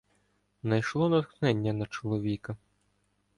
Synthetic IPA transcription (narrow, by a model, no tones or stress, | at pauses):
nɐjʃlˠɔnɐt̪xnɛnʲːɐnɐt͡ʃɔlˠɔʋʲikɐ